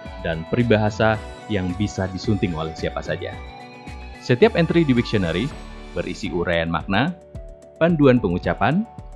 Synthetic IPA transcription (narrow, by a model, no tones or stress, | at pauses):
danpɾibaɦasa | jaŋbisadisunt̪ɪŋolɛhsiapasad͡ʒa̰ | sət̪iapɛnt̪ɾidiwik̚sɔnəɾibərʔḭsiʔuɾʔajanma̰k̚na | panduanpəŋut͡ʃapan